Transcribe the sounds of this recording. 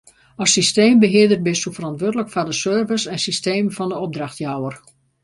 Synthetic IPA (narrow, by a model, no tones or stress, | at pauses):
əsisteːmbəɦɪədərt̚bɪsufərɑntʋoədələkfadəsøːrvəsɛnsisteːməfɑndəɔb̚draxtjawər